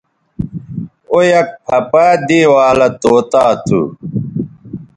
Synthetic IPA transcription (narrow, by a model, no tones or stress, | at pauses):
ojɐk̚pʰɐpaːd̪iːwaːlɐt̪oːt̪aːt̪ʰṵ